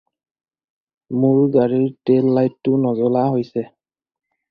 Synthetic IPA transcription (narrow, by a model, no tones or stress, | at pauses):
mʊɹɡaɹiɹtelːajtːʊnɔzɔlaɦojsɛ